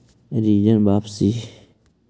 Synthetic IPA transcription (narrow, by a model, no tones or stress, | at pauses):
ɾiːd͡ʒənbaːpsi